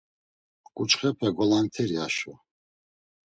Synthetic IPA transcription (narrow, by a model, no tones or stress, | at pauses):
kʼut͡ʃʼχɛpʰɛɡɔlant̪ʰɛɾiaʃa